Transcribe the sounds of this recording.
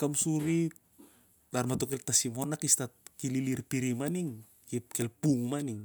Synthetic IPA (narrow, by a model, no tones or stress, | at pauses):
kamsuɾi | taɾmatokeltasimonakistat̚kililiɾpiɾimaniŋ | kipkelpuŋmaniŋ